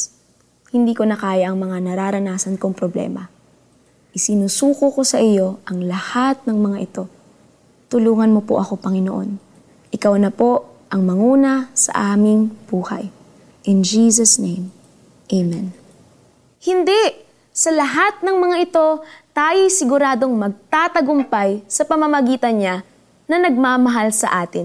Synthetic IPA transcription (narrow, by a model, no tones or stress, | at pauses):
hɪnd̪iːko̞nɐkaːjɐʔɐŋmɐŋanɐɾaːɾɐnaːsɐnkoŋpɾoblɛ̰mɐ̰ | ʔɪsɪnusuːkʊko̞sɐʔɪjo̞ʔɐŋlɐhat̪̚nɐŋmɐŋaʔɪt̪o̞ | t̪ʊluːŋɐnmo̞poʔɐko̞pɐŋɪnoʔo̞̰n | ʔɪkawnɐpo̞ | ʔɐŋmɐŋuːnɐsɐ̰ʔaːmɪŋb̥uːhɐ̰j | ʔɪnd͡ʒiːsɐsnejm | ʔejmɛn | hɪnd̪ɛʔ | sɐlɐɦat̪̚nɐŋmɐŋaʔɪt̪o̞t̪aːjojsɪɡʊɾaːd̪o̞ŋmɐɡ̚t̪aːt̪ɐɡʊmpajsɐpɐmɐmɐɡiːt̪ɐnɲa | nɐnɐɡ̚maːmɐɦalsɐ̰ʔaːt̪ɪn